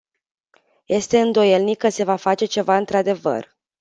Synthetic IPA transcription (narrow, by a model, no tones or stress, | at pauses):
je̞st̪e̞ɨnd̪o̞je̞lnikːəse̞vafat͡ʃe̞t͡ʃe̞vaɨnt̪ɾad̪e̞və̰r